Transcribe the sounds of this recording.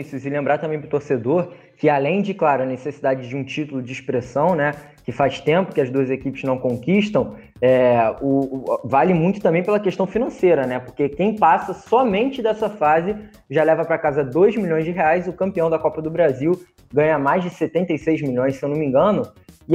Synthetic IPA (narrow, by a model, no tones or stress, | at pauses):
isʊzɪlẽmbɾat̪ɐ̃bẽj̃pɾʊt̪oɾsed̪oɾ | kɪalẽj̃d͡ʒɪklaɾʊɐnesesid̪ad͡ʒɪd͡ʒɪũt͡ʃit̪ʊlʊd͡ʒɪːʃpɾesɐ̃w̃nɛ | kɪfaʃt̪ẽmpʊ̥kɪɐzd̪uɐzekipɪznɐ̃w̃kõŋkiʃt̪ɐ̃w̃ | ɛʊvalɪmũj̃t̪ʊt̪ɐ̃mbẽj̃pelɐkeʃt̪ɐ̃w̃finɐ̃sejɾɐnɛpʊɾkekẽj̃pasɐsɔmẽnt͡ʃɪd̪ɛsɐfazɪ | ʒalɛvɐpɾɐkazɐd̪ojzmilʎõj̃zd͡ʒɪɦeajzʊkɐ̃mpiɐ̃w̃d̪ɐkɔpɐd̪ʊbɾaziw | ɡɐ̃ɲɐmajzd͡ʒɪset̪ẽnt̪ejsejzmiʎõj̃ssewnõmĩŋɡɐ̃nʊ